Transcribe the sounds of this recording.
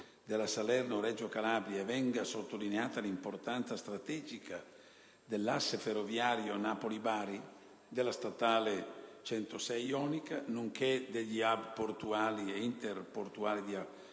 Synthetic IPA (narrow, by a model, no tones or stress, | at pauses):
d̪elasalɛrnoɾɛd͡ʒokalaːbɾjaevɛŋɡasot̪ːolineaːt̪alimport̪ant̪sast̪ɾat̪ɛːd͡ʒika | d̪elːasːeferːovjaːɾjonapolibaːɾi | d̪elast̪at̪aːlet͡ʃɛnt̪osɛjɔnikanuŋked̪eʎːiabport̪uaːlieint̪erport̪uaːlid̪ia